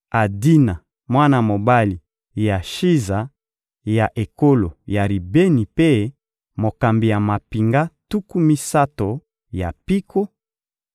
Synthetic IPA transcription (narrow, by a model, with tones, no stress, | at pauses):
a˨di˦na˨ | mwa˦na˦˨mo˨ba˦li˨ | ja˨ʃi˦za˨ | ja˨ʔe˨ko˦lo˨ja˨li˨be˦ni˨pe˦ | mo˨ka˨mbi˨ja˨ma˨pi˨ŋɡa˦tu˦ku˦mi˦sa˦to˨ | ja˨pi˦ko˦